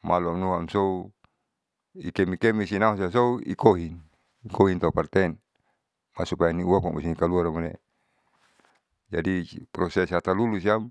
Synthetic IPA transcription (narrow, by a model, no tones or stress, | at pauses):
maluamnuɦamsou | ḭkɛmikɛmisinaɦosias̬ouḭkoɦin | ikoɦint̪aupart̪ɛn | masupajaniuamɔ̰ŋmusinikaluaramonḛ | d͡ʒadipɾɔsɛshat̪alulus̬iam